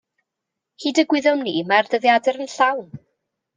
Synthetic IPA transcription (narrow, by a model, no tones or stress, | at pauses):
hiːdəɡwɪðɔmniːmardəðjadɛɾənɬawn